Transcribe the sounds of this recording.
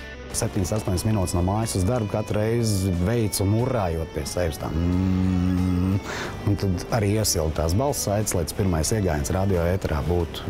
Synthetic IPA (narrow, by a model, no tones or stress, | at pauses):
sɛp̚t̪ʲiɲsast̪oɔɲʲsminuːt̪snuɔmaːjsuzd̪aɾbkat̪ɾʊɾɛjzvɛjt̪sumuɾaːjuɔt̪̚piɛsɛʋst̪a̰ːm | unt̪ad̪aɾiːiɛsilˠd̪̚t̪aːs̬balˠssajt̪slˠɛt̪spiɾmajsiɛɡaːjansɾad̪iɔɛt̪ɛɾaːbuːt̪u̥